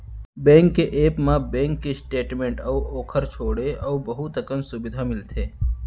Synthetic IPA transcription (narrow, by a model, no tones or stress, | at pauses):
bẽːŋkːeʔeːpmãbẽːŋkːesʈeːʈmẽɳʈəuʔoːkʰəɾt͡ʃʰoːɽeʔəubəɦut̪əkənsʊbɪd̪ʱamɪlt̪ʰeː